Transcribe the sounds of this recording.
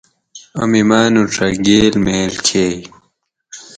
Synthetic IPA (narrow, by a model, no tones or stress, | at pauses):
ɐmimaːnuʈ͡ʂʰɐɡeːlmeːlkʰeː